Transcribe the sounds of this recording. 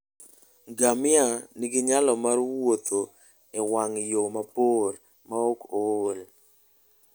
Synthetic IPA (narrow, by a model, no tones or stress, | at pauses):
ɡamɪaniɡɪɲalɔmarwot̪o | ɪwaŋjomapor | maokol